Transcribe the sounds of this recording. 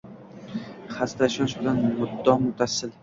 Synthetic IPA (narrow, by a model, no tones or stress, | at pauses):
χast̪aʃɒnʃbɪlanmʊd̪ːɒmʊt̪ʰasːɪl